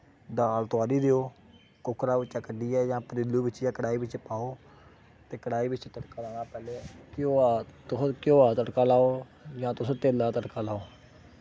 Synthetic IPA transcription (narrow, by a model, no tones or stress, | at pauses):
d̪aːlt̪ʊaːɾiːd̪eːoː | kʊkʰɾaːʋɪt͡ʃaːkəɖiːɛːjãːpəɾɪlːuːbɪt͡ʃjãːkəɽaːiːbɪt͡ʃpaːoː | t̪eːkəɽaːiːbɪt͡ʃt̪əʈkaːlãːaːpɛːleːkɪoːaːt̪ʊskjoːaːt̪əʈkaːlaːoː | jãːt̪ʊsõːt̪eːlaːt̪əʈkaːlaːoː